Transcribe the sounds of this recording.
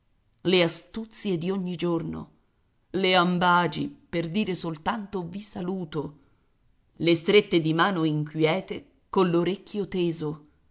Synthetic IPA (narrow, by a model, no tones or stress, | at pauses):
least̪ut̪sjed̪ioɲːid͡ʒorno̰ | leambaːd͡ʒḭperd̪iːɾesolt̪ant̪ovisaluːt̪o | lest̪ɾet̪ːed̪imaːnoiŋkwjɛːt̪e | kolːoɾekːjot̪eːzo